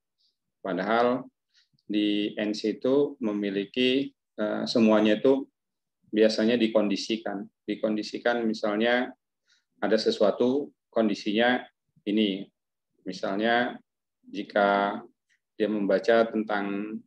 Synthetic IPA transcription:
padaɦal | diɛnsit̪uməmiliki | ə̰səmuaɲait̪u | biasaɲadikondisikandikondisikanmisalɲa | adasəsuat̪u | kondisiɲa | ini | misalɲa | d͡ʒikʰa | diaməmbat͡ʃat̪ənt̪aŋ

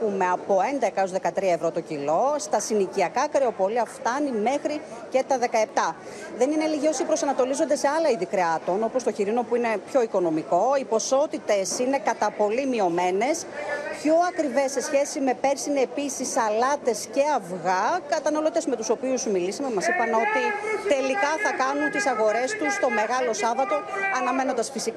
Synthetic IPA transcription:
pume̞ɐpo̞e̞nd̪ekɐo̞zðe̞kɐt̪ɾiɐevɾo̞t̪o̞cilo̞st̪ɐsiniciɐkɐkɾe̞o̞poliɐft̪ɐnime̞xɾi | ce̞t̪ɐðe̞kɐe̞p̚t̪ɐ | ðe̞nineliʝio̞sipɾo̞sɐnɐt̪o̞lizond̪e̞seɐlɐiðikɾeɐt̪o̞no̞po̞st̪oçiɾino̞puine̞pço̞iko̞no̞miko̞ipo̞so̞t̪it̪e̞sine̞kɐt̪ɐpo̞limio̞me̞ne̞spço̞ɐkɾive̞se̞sçe̞sime̞pe̞ɾsineːpisisɐlɐt̪e̞sce̞ɐvɣɐkɐt̪ɐnɐlo̞t̪e̞zme̞t̪uso̞piusmilisɐmemɐsipɐno̞t̪it̪e̞likɐθɐkɐnunt̪isɐɣo̞ɾe̞st̪ust̪o̞me̞ɣɐlo̞sɐvɐt̪o̞ɐnɐme̞nond̪ɐsfisik

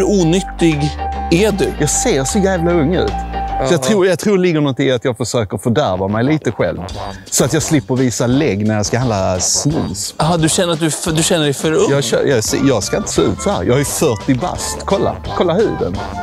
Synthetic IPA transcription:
uːnʏt̪ːɪɡæɖʉjɑːɡseːɾsɔjæːvlaɵŋːʉ̟̰ːt̪sɔjɑːt̪ʰɾuːɾjɑt̪ʰɾuːlɪɡːəɾnɔnt̪ɪŋːat̪jɑːɡfəʂøːkəɾfœɖæɾvamɛjliːt̪əɧɛ̰lvsɔat̪jɑːɡslɪpːəɾviːsalɛɡːnæɾjɑskahand̪asnʉ̰ːsɦɑd̪ɵɕɛnəɾat̪̚d̪ɵfd̪ɵɕɛnːəɖɛjfœɾjɑœ̰ːjɑsḛjɑɡskaɪnt̪ə̥seːʉ̟̰ːt̪sɔhæ̰ːɾjɑ̰ːhajʉfœʈɪba̰st̪kʰɔlːa̰kʰɔlːahʉ̟̰ːd̪ə̰n

